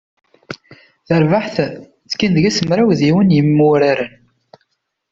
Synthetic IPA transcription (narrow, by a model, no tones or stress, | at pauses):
θəɾvaħθ | t͡sːkːind̪əʝæsəmɾawðiwənjəmːʊɾaɾən